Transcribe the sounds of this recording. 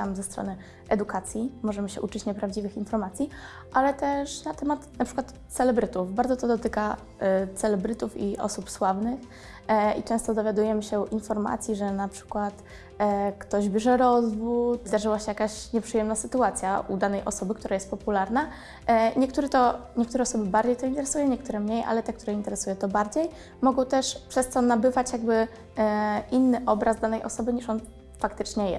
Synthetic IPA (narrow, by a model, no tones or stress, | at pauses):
t̪amzɛst̪ɾɔ̰nɘ | ʔɛd̪ukat̪sʲjimɔʐɛmɘɕɛʔut͡ʂɘt͡ɕɲɛpɾavd͡ʑivɘxinfɔɾmat̪sʲji | ʔalɛt̪ɛʂnat̪ɛmat̪napʂɘkwat̪sɛlɛbɾɘt̪ufbaɾd̪ɔt̪ɔd̪ɔt̪ɘka | t̪sɛlɛbɾɘt̪ufiʔɔ̰supswavnɘx | ḭt͡ʂɛ̃st̪ɔd̪ɔvʲjad̪ujɛmɘɕɛuʔinfɔɾma̰t̪sʲjiʐɛnapʂɘ̥kwat̪ | kt̪ɔʑbʲjɛʐɛɾɔzvut̪zd̪aʐɘwaɕɛjakaɕɲɛpʂɘjɛmnasɘt̪uat̪sʲjaʔṵd̪anɛjʔɔ̰sɔbɘkt̪uɾajɛst̪̚pɔpulaɾna | ɲɛk̚t̪uɾɛt̪ɔɲɛkt̪uɾɛɔsɔbɘbaɾd͡ʑejt̪ɔint̪ɛɾɛsujɛɲɛk̚t̪uɾɛmɲejʔa̰lɛt̪ɛkt̪uɾɛint̪ɛɾɛsujɛt̪ɔbaɾd͡ʑej | mɔɡɔ̃w̃t̪ɛʂpʂɛst̪ɔnabɘvat͡ɕjaɡ̚bɘ | ʔinːɘʔɔbɾazd̪anɛjʔɔ̰sɔbɘɲiʂɔn | fakt̪ɘt͡ʂɲɛjɛ̰